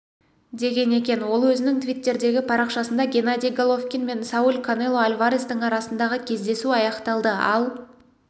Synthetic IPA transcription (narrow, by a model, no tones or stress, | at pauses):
d̪e̞ɡʲe̞ne̞kʲe̞nwo̞lˠwɵzɪnɪŋt̪vʲijt̪ːe̞ɾd̪e̞ɡʲɪpʰɑɾɑqʃɑsənd̪ɑɡʲe̞nad̪ʲijɡolˠo̞fkʲinme̞nsaulkʰonelˠo̞alʲvaɾist̪əɴɑɾɑsənd̪ɑʁəkʲʰe̞zd̪e̞suɑjɑqt̪ɑlˠd̪əɑ̰lˠ